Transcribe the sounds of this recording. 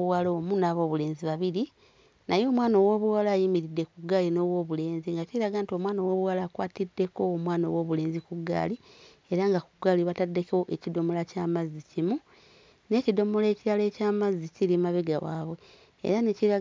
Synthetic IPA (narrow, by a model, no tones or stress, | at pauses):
uwaloːmunaβo̞ːβule̞ːnziβaβiɾi | najo̞ːmwaːnowo̞ːβuwalaːjimiɾidːe̞kuɡːaːlino̞ːβwo̞ːβule̞ːnziŋɡaciɾaɡaːntio̞mwaːnowoːβuwalaːkwaːtidːe̞ko̞ːmwaːno̰wo̞ːβule̞ːnzikuɡːa̰ːli | e̞ɾaŋɡakuɡaːliβatadːe̞koʔecido̞mo̞lacaːmazːicimu | ne̞ːcido̞mo̞leːciɾaleːcaːmaziciɾimaβiɡa̰wa̰ːβwe̞ | ḛɾaneciɾa